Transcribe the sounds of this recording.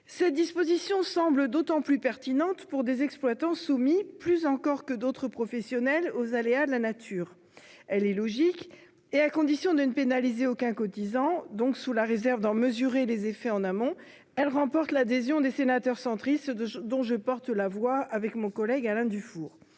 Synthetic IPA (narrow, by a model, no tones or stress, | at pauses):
sɛt̪̚d̪ispozisjɔ̃sɑ̃bləd̪ot̪ɑ̃plypɛʁt̪inɑ̃t̪puʁd̪ezɛksplwat̪ɑ̃sumiplyzɑ̃kɔʁkəd̪ot̪χəpχɔfɛsjɔnɛlozalead̪əlanat̪ʰyːʁ | ɛlɛlɔʒik | eakɔ̃d̪isjɔ̃d̪ənəpenalizeokɛ̃kɔt̪izɑ̃d̪ɔ̃ksulaʁezɛʁvd̪ɑ̃məzyʁelezefɛɑ̃namɔ̃ | ɛlʁɑ̃pɔʁt̪lad̪ezjɔ̃d̪esenat̪œʁsɑ̃t̪χist̪d̪ɔ̃ʒəpɔʁt̪lavwaːvɛkmɔ̃kɔlɛɡalɛ̃d̪yfuːʁ